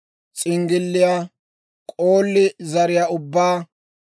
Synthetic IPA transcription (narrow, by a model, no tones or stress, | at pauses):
t͡sʼɪŋɡɪlːɪja | kʼoːlːɪzɐɾɪjaʊbːaː